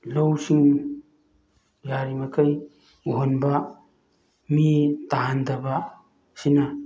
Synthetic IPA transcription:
lowsiŋ | jaɾimɐkʰɐj | oɦonbɐ | mitaɦandɐbɐ | sinɐ

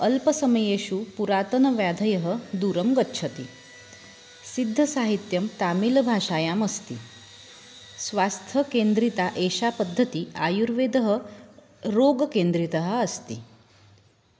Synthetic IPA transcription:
əlpəsəməjeɕupuɾat̪ənʋjad̪ʱəjəɦə̆d̪uɾəmɡətːʃʰət̪i | sid̪ʱːəsaɦit̪jəmt̪amilbʱaʂajaməst̪ḭ | sʋast̪ʰəkend̪ɾit̪aʔeɕapəd̪ʱːət̪iajuɾʋed̪əɦə | ɾoɡkend̪ɾit̪əɦəəst̪ḭː

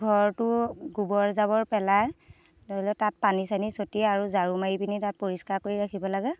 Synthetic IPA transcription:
ɡʱɔɹtʊɡubɔɹzabɔɹpɛlaj | nɔɦilɔtat̚panisanisotiaɹuzaɹumajipinitat̚poɹiskaɹkoɹiɹakʰibɔlaɡɛ

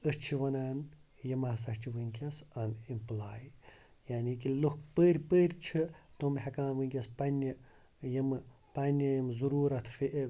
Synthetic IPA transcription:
əst͡ʃʰiʋɐnaːn | jɐmasɐʃt͡ʃʰiʋɨŋkʲɐsɐnimplaːj | jaːnikilukpəːɾʲpəːɾʲt͡ʃʰit̪omɦɐkaːnʋɨŋʲkʲɐspɐnʲːi | jɐmɨ | pɐnʲijɐmzuɾuːɾɐt̪ʰfiʔe

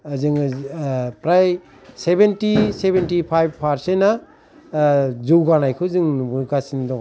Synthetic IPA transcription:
zɯŋ | pɾaj | sebentisebentipʰajb̚pʰaɾsenːa | zɯwɡanajkʰɯzɯŋɡasindɔŋ

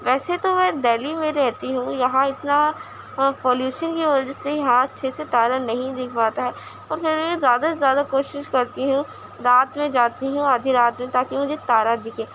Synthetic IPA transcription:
ʋɛːset̪omɛ̃ːɖ̪ɛːlimẽɾɛɦt̪iɦũjɐɦãɪt̪na | poːljuːʃənkiʋɐd͡ʒəsejɐɦãɐtːʃʰeset̪aːɾanɐɦĩd̪ɪkʰpaːt̪aɦɛː | ɔːɾpʰɪɾmɛ̃zjaːd̪azjaːd̪akoːʃɪʃkɐɾt̪iɦũ | ɾaːt̪mẽd͡ʒaːt̪iɦũaːd̪ʱiɾaːt̪mẽt̪aːkemʊd͡ʒʱet̪aːɾad̪ɪkʰẽː

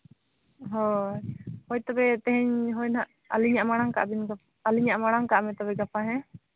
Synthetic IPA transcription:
ɦɔ | hɔjt̪ɔbɛt̪ɛ̃ɦɛɲɦɔjnaʔ | ə̰liɲaʔmaɽ̃aŋka̰ʔbinɡa | əliɲaʔmaɽ̃aŋkaʔmɛt̪ɔbɛɡapaɦɛ̃

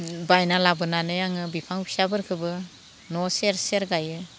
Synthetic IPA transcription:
bajnalabɯnanɯjaŋɯbipʰaŋpʰi̥sabɯɾkʰɯbɯ | nɔseɾseɾɡajɯ

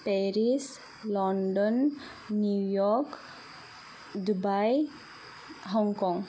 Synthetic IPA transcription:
peɾis | lɔɳɖɔnː | jujɔɾk | d̪ubaj | ɦɔŋkɔŋ

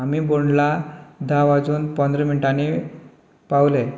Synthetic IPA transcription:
amiːboɳɖlad̪ʱaʋad͡zuːnpənd̪ɾəminʈani | pawle

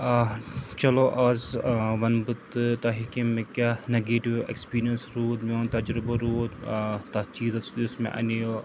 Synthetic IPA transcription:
t͡ʃɐloːʔaːzʋɐnbɨt̪t̪ɐɦikimẽkʲaːneɡeːʈiʋḛkspiːɾijɐnsɾuːt̪joːnt̪ɐd͡ʒɾɪbɐɾuːt̪t̪ɐt͡ʃiːzsʊsmḛ̃ʔɐ̰nijo

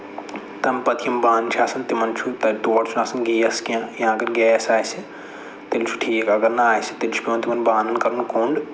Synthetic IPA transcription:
t̪ɐmpɐt̪ʰjɐmbaːnt͡ʃʰaːsɐnt̪imɐnt͡ʃʰut̪ɐt̪oːʈt͡ʃʰunaːsɐnɡiːɐskãjɐãːkɐɾɡɛːsaːjsi | t̪ilt͡ʃʰu̥ʈʰiːkaɡɐɾnɐaːjsi̥t̪ilt͡ʃʰu̥pʲimɐnt̪imɐnbaːnɐnkɐɾɐnkuɳɖ

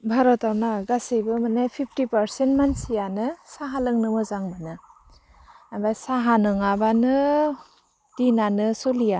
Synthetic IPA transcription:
bʱaɾɔtawnaɡasibɯmanepʰip̚ʰtipaɾsentmansijanɯsaɦalɯŋnɯmɯzaŋbɯnɯ | abajsaɦanɔŋabanɯ | d̥inanɯsolija

